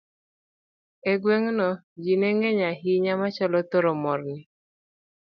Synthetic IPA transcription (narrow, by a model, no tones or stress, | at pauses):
eɡweŋnɔ | d͡ʒineŋɛɲaɦiɲamat͡ʃɔlɔt̪oɾɔmɔrnɪ